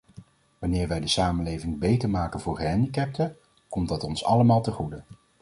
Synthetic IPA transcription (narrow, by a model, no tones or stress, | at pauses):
ʋɑnɪːɹʋɛjdəsaːmənlejvɪŋbejtəɹmaːkənvʊːɹɦɛndikɛp̚tʰə | kɔmt̚dɑtɔnsɑ̰ləmaːlˠtəχudə